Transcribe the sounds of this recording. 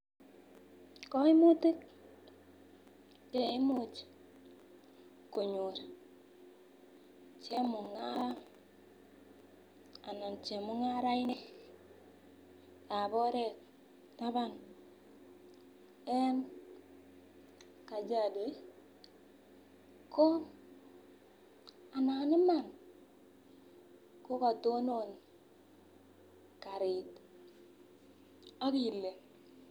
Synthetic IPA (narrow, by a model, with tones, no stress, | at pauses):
kɔ˦i˦mu˦ti˦k | t͡ʃe˨i˦mu˦t͡ʃ | ku˨ɲu˨ɾ | t͡ʃe˦mu˨ŋa˦ɾa˦ | a˨nɔ˨nt͡ʃe˨mu˦ŋa˦ɾa˦i˦ne˦ | a˨bɔ˦ɾe˦˨k̚ | ta˦βa˦n | e˦n | ka˨d͡ʒa˨do˨˦i˦ | ko˦ | a˨na˨˦ni˦ma˨n | ko˦ka˨to˦no˦˨n | ka˨ɾi˨t | o˦ki˨lːe˨